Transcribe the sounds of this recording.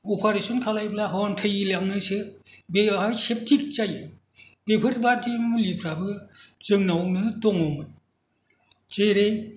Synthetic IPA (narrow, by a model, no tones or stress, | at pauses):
opʰaɾesɔnkʰalajblaɦɔntʰajilaknɯsɯbeajsep̚tʰik̚t͡ʃajɯ | b̥epʰɯɾbadimɯlipʰɾabɯzɯŋnawnɯtɔŋɔmɯ | t͡ʃeɾe